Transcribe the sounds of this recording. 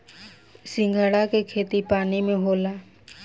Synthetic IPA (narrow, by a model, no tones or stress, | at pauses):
sɪ̃ŋɡʱəɽakekʰeːt̪ipaːnimẽɦoːlaː